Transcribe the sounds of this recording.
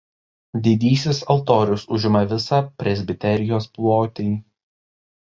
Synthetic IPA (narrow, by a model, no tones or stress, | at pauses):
d̪ʲɪd̪ʲiːsʲɪsɐlˠt̪oːɾʲʊsʊʒʲɪmɐʋʲɪsɑpʲɾʲɛzʲbʲɪt̪ʲɛɾʲɪjoːsplˠoːt̪ʲiː